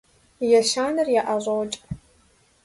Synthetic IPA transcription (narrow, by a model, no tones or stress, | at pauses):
jɛʃaːnɨrjaʔaʑʷɐwt͡ʃʼp